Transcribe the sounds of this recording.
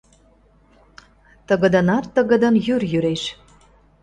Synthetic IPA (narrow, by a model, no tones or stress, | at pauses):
t̪əɣə̆d̪ə̆nɑt̪ːəɣə̆d̪ə̆njyrjyɾeʃ